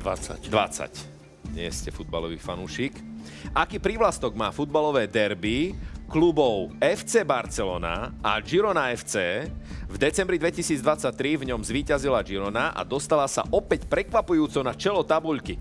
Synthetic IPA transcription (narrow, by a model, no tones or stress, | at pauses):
at͡sa̰d̪ʋa̰t͡sa̰c | mɪɛ̰scɛfud̪̚ba̰lɔʋḭːfanuːʃiːk | ʔakiːpɾiʋlast̪ɔɡmaːfud̪̚balɔʋɛːd̪ɛɾbiklubɔʊɛft͡sɛːbaɾt͡sɛlɔːna̰a̰d͡ʒiɾɔnaɛft͡sɛːvd̪ɛt͡sɛmbɾid̪ʋɛcisiːd͡zd̪ʋat͡sːac̚t̪ɾivɲɔmzʋiːcazilad͡ʒiɾɔnaʔa̰d̪ɔst̪alasa̰ʔɔpɛcpɾɛkʋapujuːt͡sɔnat͡ʃɛlɔt̪abuʎki